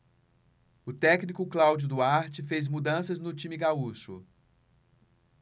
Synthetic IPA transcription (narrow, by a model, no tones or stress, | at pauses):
ʊt̪ɛknikʊklawd͡ʒʊd̪ʊaɾt͡ʃɪfezmud̪ɐ̃sɐznʊt͡ʃĩmiɡauʃʊ